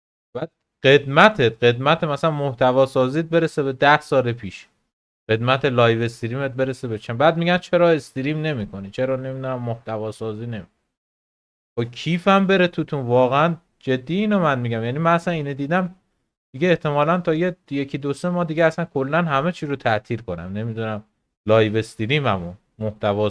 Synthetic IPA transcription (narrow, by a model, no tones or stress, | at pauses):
b̥æːd̪̥̚ | ɢe̞d̪mæt̪ʰet̪̚ɢe̞d̪mæt̪ʰemæsænmoht̪ævɒːsɒːzit̪̚be̞ɾesebed̪æhsɒːlepʰiːʃ | ɢ̥e̞d̪mæt̪ʰelɒːjve̞st̪ɾiːmet̪̚be̞ɾesebet͡ʃʰæbæːd̪̚miɡænt͡ʃʰe̞ɾɒːest̪iɾiːmne̞miːkʰonit͡ʃʰeɾɒːne̞mid̪unæmːoht̪ævɒːsɒːziːne̞mik | okʰiːfæmbe̞ɾet̪ʰut̪ʰũnvɒːɣeæn | d͡ʒe̞d̪ːijiːnomænmiɟæmjænimænæsæniːned̪iːd̪æm | d̪̥iɡeːht̪ʰe̞mɒːlænt̪ʰɒːjeje̞cʰid̪ose̞mɒːd̪iɟeæsænkʰo̞lːænɦæme̞t͡ʃʰiːɾot̪ʰæʔt̪ʰiːlkʰo̞næ̰mne̞mid̪unæm | lɒːjve̞st̪iɾiːmæmun | moht̪ævɒː